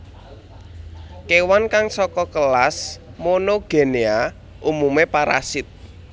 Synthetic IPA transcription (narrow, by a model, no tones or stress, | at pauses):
kewankaŋsɔkɔkəlasmonoɡ̥e̤nea | ʔumumepaɾa̰sɪt̪̚